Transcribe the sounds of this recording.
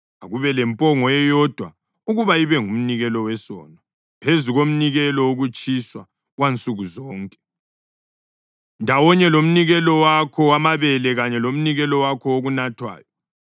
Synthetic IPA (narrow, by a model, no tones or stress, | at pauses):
aɣuβɛlɛmpʼɔŋɔɛjɔd̥ʱwa | uɣuβaiβɛŋum̩niɣɛlɔwɛsɔ̰ːna | pʰezuɣom̩niɣɛlɔuɣut͡ʃʼiswa | ɣwant͡sʼuɣuzɔːŋkʼɛ̥ | ndʱawɔɲɛlom̩niɣɛlɔwakʰɔwamaβɛlɛɣaɲɛlom̩niɣɛlɔwakʰɔoɣunatʰwa̰ːjɔ